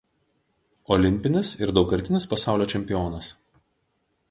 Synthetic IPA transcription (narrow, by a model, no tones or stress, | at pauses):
ɔlʲɪmʲpʲɪnʲɪsɪɾd̪ɒʊkɐɾʲt̪ʲɪnʲɪspɐsɑˑʊlʲoːt͡ʃʲɛmʲpʲɪjoːnɐs